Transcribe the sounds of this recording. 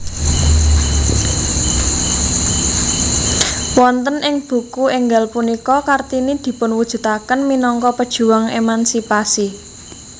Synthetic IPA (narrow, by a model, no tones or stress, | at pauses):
wɔnt̪ənɪŋb̥ṳkuɪŋɡalpunikɔkart̪inid̪̥i̤pʊnwud̥ʒ̥ṳt̪akənminɔŋkɔpəd̥ʒ̥ṳwaŋḛmansipasi